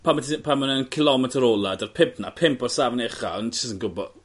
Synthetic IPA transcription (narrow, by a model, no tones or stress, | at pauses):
pʰamətipʰamənənkʰɪlˠɔmɛtʰəɾɔlˠadərpʰɪpʰna̰pʰɪmpɔr̥savnɛχa̰ɔntɪsənɡʊbɔ̰